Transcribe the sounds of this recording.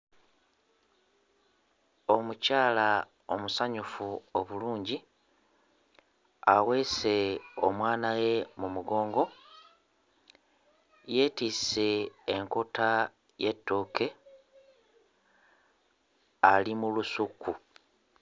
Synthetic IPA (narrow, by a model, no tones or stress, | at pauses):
o̞mucaːla | o̞musaɲufuo̞βuluːɲɟi | aɣwese̞o̞mwaːnaje̞mumuɡo̞ːŋɡo̞ | je̞ːtiːse̞ːŋkota | je̞tːoːke̞ | alimulusuku